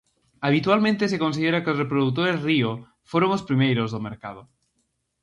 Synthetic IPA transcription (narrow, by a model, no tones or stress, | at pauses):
aβ̞it̪ualmẽnt̪esekons̬iðeɾakeozrepɾoðut̪̬oɾezrio | foɾoŋospɾimejɾozðomeɾkað̞o